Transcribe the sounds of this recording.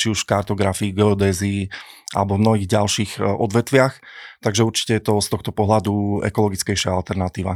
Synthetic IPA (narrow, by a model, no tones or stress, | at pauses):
t͡ʃiuʃkaɾt̪ɔɡɾafiːɡɛɔd̪ɛziːʔa̰lɛbɔvmnɔɦiːɣɟalʃiːɣʔɔd̪ʋɛt̪ʋɪaxt̪aɡʒɛuɾt͡ʃi̥cɛjɛt̪ɔst̪ɔxt̪ɔpɔɦlad̪uɛ̰kɔlɔɡit͡skɛjʃɪaalt̪ɛɾnat̪iːʋa̰